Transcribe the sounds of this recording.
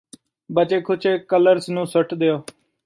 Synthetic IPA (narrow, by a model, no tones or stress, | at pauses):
bət͡ʃeːkʰʊt͡ʃʰeːkələɾsnũːsʊʈd̪eːoː